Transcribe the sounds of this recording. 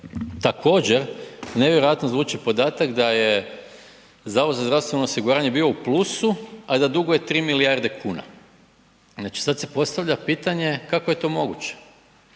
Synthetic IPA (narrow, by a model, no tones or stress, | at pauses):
t̪akʰo̞ːd͡ʑeɾne̞ʋjeɾojat̪nozʋuːt͡ʃipo̞d̪aːt̪akd̪aje̞ | zaːʋozazd̪ɾaʋst̪ʋe̞noosiɡuɾaːɲebiːo̞uplˠuːsuad̪ad̪uɡoje̞t̪ɾiːmilijaɾd̪e̞kʰuːna̰ | znat͡ʃi̥sad̪se̞po̞st̪aʋʎapiːt̪aɲe̞kakoje̞t̪o̞ːmo̞ɡut͡ɕe̥